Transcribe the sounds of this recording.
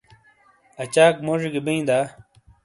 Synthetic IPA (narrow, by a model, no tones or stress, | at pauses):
ɐt͡ɕaːkmoːʐiɡibɐĩd̪aː